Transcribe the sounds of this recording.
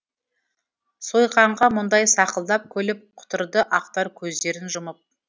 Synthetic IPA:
sojqɑɴʁɑmʊnd̪ɑjsɑqəlˠd̪ɑp̚kʲʰɵlɪp̚qʰʊ̥t̪əɾd̪əʔɑqt̪ɑɾkʲʰɵzd̪e̞ɾɪnʒʊməp̚

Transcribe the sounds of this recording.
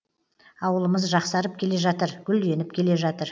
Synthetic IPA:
ɑwəlˠəməzʒɑqsɑɾəp̚kʲʰe̞le̞ʒɑt̪əɾɡʲʏld̪e̞nɪp̚kʲʰe̞le̞ʒɑt̪əɾ

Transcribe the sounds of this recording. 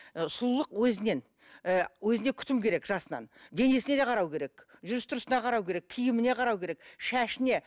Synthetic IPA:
sʊlˠlˠəqwɵzɪne̞n | wɵzɪnekʲʰʏ̥t̪ɪmkʲʰe̞ɾe̞kʒ̥ɑsənɑ̰nd̪e̞ne̞sɪne̞d̪e̞qʰɑɾɑwkʲʰe̞ɾe̞kʒʏɾɪst̪ʰʊɾəsənɑqʰɑɾɑwkʲeɾe̞kʲʰijɪmɪne̞qʰɑɾɑwkʲe̞ɾe̞kʃæʃɪne̞

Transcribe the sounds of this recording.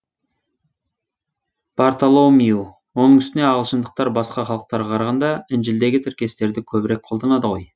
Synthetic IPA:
b̥ɑɾt̪olˠomiu | wonəɴʏst̪ɪne̞ɑʁəlˠʃənd̪əq̚t̪ɑɾbɑsqɑχɑlˠəq̚t̪ɑɾʁɑqʰɑɾɑʁɑnd̪ɑɪnʒɪld̪e̞ɡʲɪt̪ʰɪɾkʲe̞st̪e̞ɾd̪ɪkʲʰɵbɪɾe̞k̚qʰolˠd̪ɑnɑd̪əʁo̞j

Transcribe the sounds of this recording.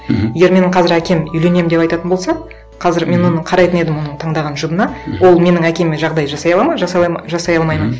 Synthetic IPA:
je̞ɡʲe̞ɾme̞nɪɴqʰɑzɪɾækʲe̞mʏjle̞ne̞mɪd̪e̞pɑjt̪ɑt̪ənbo̞lˠsɑ | qʰɑzɪɾme̞nwo̞nəɴqʰɑɾɑjt̪əne̞d̪ɪmwo̞nəɴt̪ʰɑɴd̪ɑʁɑnʒʊbənɑwo̞lˠme̞nɪŋækʲe̞meʒɑʁd̪ɑjʒɑsɑjɑlˠɑmɑʒɑsɑʒɑsɑjɑlˠmɑjmən

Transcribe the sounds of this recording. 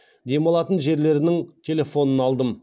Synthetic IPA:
d̪e̞mɑlˠɑt̪ənʒe̞ɾle̞ɾɪnɪŋt̪ʲʰe̞lʲe̞fo̞nənɑlˠd̪əm

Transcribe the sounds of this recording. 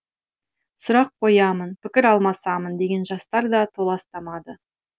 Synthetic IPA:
sʊɾɑqʰːo̞jɑmənpɪkʲɪɾɑlˠmɑsɑmənd̪e̞ɡʲe̞nʒɑst̪ɑɾd̪ɑt̪ʰolˠɑst̪ɑmɑd̪ə

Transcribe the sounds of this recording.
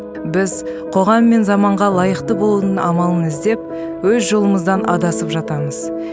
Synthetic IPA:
bɪzqʰo̞ʁɑmːe̞nzɑmɑɴʁɑlˠɑjəqt̪əbo̞lˠunənɑmɑlˠənɪzd̪e̞p̚ | wɵzʒo̞lˠəməzd̪ɑnʔɑd̪ɑsəpʒɑt̪ɑməz̥

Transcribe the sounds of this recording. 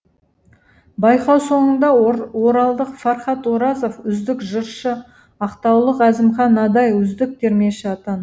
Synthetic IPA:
bɑjqɑwso̞ɴənd̪ɑwoɾɑlˠd̪əqfɑɾχɑt̪oɾɑzo̞fʏzd̪ɪkʒəɾʃə | ɑqt̪ɑwlˠəqæzɪmχɑnɑd̪ɑjʏzd̪ɪk̚t̪ʰeɾme̞ʃɪɑt̪ɑn

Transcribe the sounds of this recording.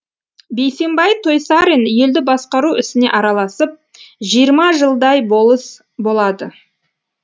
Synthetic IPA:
be̞jse̞mbɑjt̪ʰo̞jsaɾinje̞ld̪ɪbɑsqɑɾuɪsɪne̞̰ʔɑɾɑlˠɑsəp̚ | ʒijəɾmɑʒəlˠd̪ɑjbˠəs | bo̞lˠɑd̪ə

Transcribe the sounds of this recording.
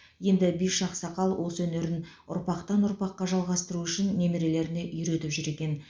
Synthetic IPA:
je̞nd̪ɪbijʃɑqsɑqɑlˠwʔoswɵne̞ɾɪn | ʊ̰ɾpɑqt̪ɑnʊɾpɑqːɑʒɑlˠʁɑst̪əɾuʏʃɪnːe̞meɾe̞le̞ɾɪne̞ʔʏjɾe̞t̪ɪpʒʏɾe̞kʲe̞n

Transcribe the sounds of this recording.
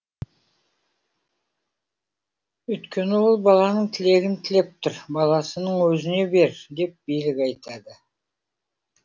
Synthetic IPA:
ɵjt̪kʲʰe̞nɪwo̞lˠbɑlˠɑnəɴt̪ʰɪle̞ɡʲɪnt̪ʰɪle̞p̚t̪ʰʊɾbɑlˠɑsənəɴwɵzɪne̞be̞ɾd̪e̞p̚b̥ijlɪkʲɑjt̪ɑd̪ə

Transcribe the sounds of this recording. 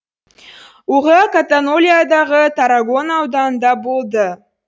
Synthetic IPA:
wʊʁɑkat̪anolʲijad̪ɑʁət̪ʰaɾaɡo̞nɑwd̪ɑnd̪ɑbo̞lˠd̪ə

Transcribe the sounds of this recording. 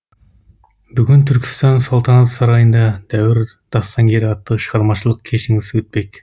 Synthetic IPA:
bʏɡʲɪnt̪ʰʏɾkʲɪ̥st̪ɑnsolˠt̪ʰɑnɑt̪sɑɾɑjənd̪ɑd̪̥æwɪɾ | d̪̥ɑst̪ɑŋɡʲe̞ɾɑt̪ːəʃəʁɑɾmɑʃəlˠəq̚kʲʰe̞ʃɪŋɪzwɵt̪̚pe̞k

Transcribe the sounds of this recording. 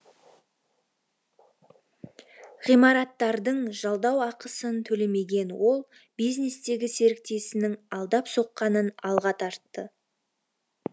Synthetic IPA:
ʁijmɑɾɑt̪ːɑɾd̪əɴʒɑlˠd̪ɑwɑqəsənt̪ʰɵle̞me̞ɡʲe̞nwo̞lˠ | bijzne̞st̪e̞ɡʲɪse̞ɾɪk̚t̪e̞sɪnɪŋɑlˠd̪ɑpso̞qːɑnənɑlˠʁɑt̪ʰɑɾt̪ːə

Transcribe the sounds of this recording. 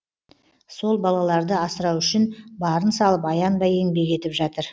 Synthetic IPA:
so̞lˠbɑlˠɑlˠɑɾd̪əɑsəɾɑwʏʃɪnbɑɾənsɑlˠəpɑjɑnbɑje̞ŋbe̞kʲe̞t̪ɪpʒɑt̪əɾ

